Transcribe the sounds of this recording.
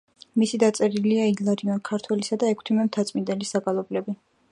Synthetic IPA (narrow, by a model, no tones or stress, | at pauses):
misid̪at̪sʼɛɾiliailˠaɾiɔnkʰaɾt̪ʰwɛlisad̪aɛkʰt̪ʰimɛmt̪ʰat̪sʼmind̪ɛlisaɡalˠɔblɛbi